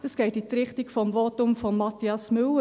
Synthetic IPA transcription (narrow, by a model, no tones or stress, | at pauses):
dəsɡ̥ɛɪtit̪ɾɪχtikfɔmvotʊmfɔmːɑtiɑsmʏwə